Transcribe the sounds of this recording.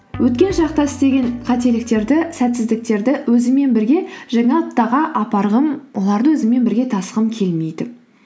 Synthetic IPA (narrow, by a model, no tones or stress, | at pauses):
wʔɵt̪̚kʲe̞nʃɑqt̪ɑst̪e̞ɡʲe̞nqʰɑt̪e̞lɪkt̪e̞ɾd̪ɪsæt̪sɪzd̪ɪk̚t̪e̞ɾd̪ɪwɵzɪme̞nbɪɾɡʲe̞ʒɑŋɑɑtt̪ːɑʁɑʔɑpɑɾʁəmwo̞lˠɑɾd̪əwɵzɪme̞nbɪɾɡʲe̞t̪ʰɑsəʁəmkʲʰe̞lme̞jd̪ɪ